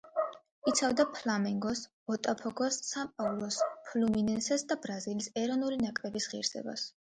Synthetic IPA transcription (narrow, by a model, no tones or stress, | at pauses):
it̪sʰavd̪apʰlamɛŋɡɔs | ɔt̪ʼapʰɔɡɔsːamqʼavlˠɔspʰluminɛnsɛsd̪abɾazilisɛɾɔnulinakʼɾɛbisʁḭɾsɛ̰ba̰s